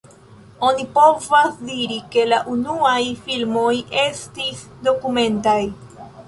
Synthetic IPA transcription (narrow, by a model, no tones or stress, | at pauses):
o̞nipo̞vasdiɾike̞laʔunuajfilmo̞je̞stis | do̞kume̞ntaj